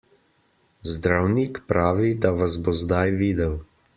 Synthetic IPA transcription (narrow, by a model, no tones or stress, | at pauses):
zd̪ɾawnikpɾaːʋid̪aʋazbozd̪ajʋiːd̪ɛw